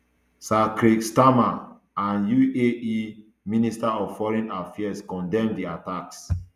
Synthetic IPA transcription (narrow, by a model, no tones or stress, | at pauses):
sakɾikstama | ãnjuei | ministaɔv̥fɔɹɛ̃nafiaskɔ̃ndɛ̃mdiataks